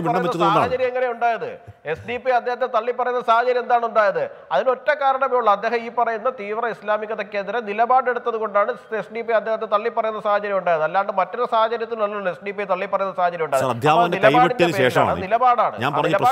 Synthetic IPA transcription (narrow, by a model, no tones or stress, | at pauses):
ʋiɐɳɐmʋɐɐt͡ɕːɐðaonːaːɐt͡ɕɐɾjɐeŋːɐnejuɳɖaːjɐðɨ̰ | e̞sɖiːpːiɐd̪ːehɐt̪ːet̪ɐɭːipːɐrɐjunːɐsaːhɐt͡ɕɐɾjɐmend̪aːɳuɳɖaːjɐðɨ | ɐðino̞tːekaːɾɐɳɐmejuɭːɐɐd̪ːe̞ːhɐmiːpːɐrɐjunːɐt̪iːʋrɐislaːmiɣɐðɐkːe̞ːnd̪iɾɐnilɐbaːɽe̞ɽut̪ːɐðuko̞ɳɖaːɳɨesɖiːpːijɐd̪ːehɐt̪ːet̪ɐɭːipːɐrɐjunːɐsaːhɐt͡ɕɐɾjɐmuɳɖaːjɐðɨɐlːaːɳɖɨmɐtːoɾesaːhɐt͡ɕɐɾjɐt̪ːilnɐlːuɭːesɖiːpːijt̪ɐɭːipːɐrɐjunːɐsaːhɐt͡ɕɐɾjɐmuɳɖaːjðaːɾɐd̪ʱjɐaːmɐɐndeilɐjːʋɐinːeɐpʃeːʂɐma̰ɐðnilɐbaːɽaːɳɨ̰ɲaːnpɐɾɐɲːɐ